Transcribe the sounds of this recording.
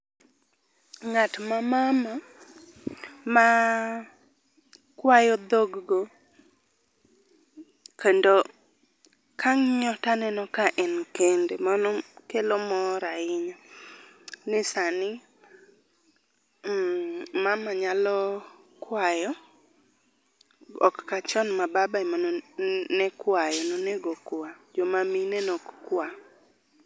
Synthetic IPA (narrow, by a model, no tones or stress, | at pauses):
ŋatmamama | ma | kwajɔd̪oɡɡo | kendo | kaŋɲɔtanɛnɔkaʔɛnkendemanɔkelomɔɾaɪɲɔ | nɪsanɪ | mamaɲalɔ | kwajɔ | ɔkːat͡ʃɔnmababaimanɔnɛkwajɔnɔnɛɡɔkwad͡ʒɔmaminɛnɔkkwa